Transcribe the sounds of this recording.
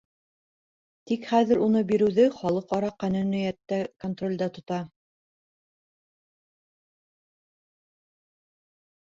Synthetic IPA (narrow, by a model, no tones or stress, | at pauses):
t̪ikχæðɘ̆ɾunɤbiɾɘ̆wðɘχɑlˠɤqɑɾɑqænɵnɵ̆jæt̪ːækont̪rolʲd̪ɑt̪ŏt̪ɑ